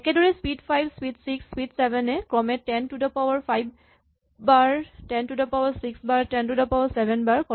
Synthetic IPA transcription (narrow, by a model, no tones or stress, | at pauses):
ɛkɛdɔɹɛswidfajbʱswitsiksːwidsɛbʱɛnɛkɹɔmɛtɛntudapawaɹpʰajb̚ | baɹtɛntudapawaɹsiksbaɹtɛntudapawaɹsɛbʱɛnbaɹkɔ